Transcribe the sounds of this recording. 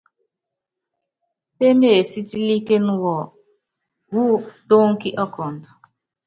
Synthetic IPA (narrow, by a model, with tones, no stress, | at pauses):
pe˦me˦˨e˨si˦ti˦li˦ke˦nʊ˦wɔ˨ | wu˦do˦ŋ̩˦ki˦ʔɔ˦kʰɔ˨n̩˨dʊ˨